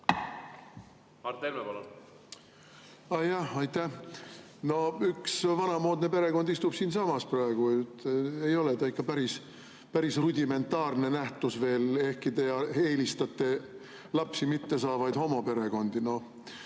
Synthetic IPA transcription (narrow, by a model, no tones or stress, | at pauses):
ɑt̪ːeɾmepɑlon | ɑjɑhɑjt̪ːæh | no̞yksvɑnɑmo̞ːd̪ne̞pe̞ɾe̞ko̞nd̪ist̪ub̥siːnsɑmɑsprɑeɡ̥ujt̪ːejo̞let̪ɑikːɑpæɾis | pæɾisrud̪ʲime̞nt̪ːˑɑːrne̞næht̪usve̞ːle̞hkit̪ejɑe̞ːlist̪ɑt̪ːˑe̞ | lɑpsimit̪ːe̞sɑːvɑjd̪ho̞mope̞ɾe̞ɡo̞nd̪ino̞